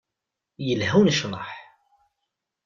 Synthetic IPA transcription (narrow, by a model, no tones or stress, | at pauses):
jəlhæwnʃnɑ̰ħ